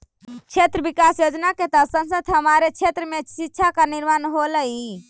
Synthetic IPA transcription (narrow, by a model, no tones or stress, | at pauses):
t͡ʃʰet̪ɾəbikasjod͡ʒnaket̪əsənsət̪ɦəmaɾet͡ʃʰet̪ɾəmesitːʃʰakaniɾmanɦoləi